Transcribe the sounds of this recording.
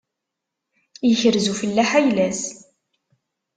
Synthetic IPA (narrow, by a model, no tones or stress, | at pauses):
jəçəɾzufəlːæħæjlæs